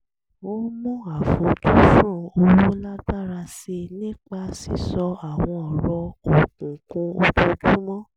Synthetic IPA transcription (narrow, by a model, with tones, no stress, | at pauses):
wo˦mũ˦a˨fo˨˦tu˦fũ˦˧o˧wu˦la˦ɡ͡ba˦ɾa˧se˧nĩ˦k͡pa˧si˨sɔ˧a˨w̃ɔ̃˧ɔ˨ɾɔ˧o˨kũ˨kũ˧˦o˧tũ˧˦˧d͡ʒu˦mɔ̃˦